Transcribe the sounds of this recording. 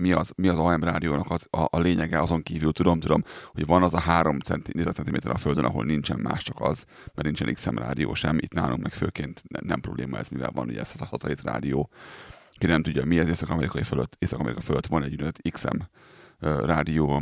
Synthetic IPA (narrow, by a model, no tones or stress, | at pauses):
miɒzmiɒzɒɛmraːd̪ijoːnɒkɒzɒʔleːɲɛɡɛɒzo̞ŋkiːvylt̪ud̪o̞mt̪ud̪o̞mho̞ɟvɒnɒzɒɦaːɾo̞mɛnt̪neːzɛt̪sɛnt̪imeːt̪ɛɾʔɒføld̪ønɒ̰ɦo̞̰lnint͡ʃɛnma̰ːʃt͡ʃɒkɒz | mɛrnint͡ʃɛniksɛ̰mra̰ːd̪ijo̰ːʃɛmit̪na̰ːlʔṵŋkmɛkføːkeːnt̪ɛnɛmprobleːmɒɛ̰zmivɛ̰lvɒnṵɟɛ̰ɛst̪hɒt̪ɒeːt̪ra̰ːd̪ijoː | kinɛmt̪uɟːɒmiɛzeːsɒkɒmɛɾikɒiføløt̪ːeːsɒkɒmɛɾʔikɒføløt̪ːʋɒnɛɟunːɛzɛt̪ːiksɛ̰m | raːd̪ijoː